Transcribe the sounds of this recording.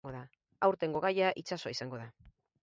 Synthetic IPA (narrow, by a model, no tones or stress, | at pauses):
ɡoða | awɾt̪e̞ŋɡo̞ɣajaʔit͡ʃaso̞aisaŋɡo̞ða